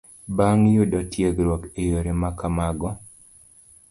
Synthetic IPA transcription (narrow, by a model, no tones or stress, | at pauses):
baŋjʊdɔtjeɡɾwɔkejoɾemakamaɡɔ